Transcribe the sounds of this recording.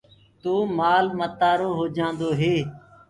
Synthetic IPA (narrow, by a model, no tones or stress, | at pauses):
t̪oːmaːlmət̪aːɾoːɦoːd͡ʒãːnd̪oːɦeː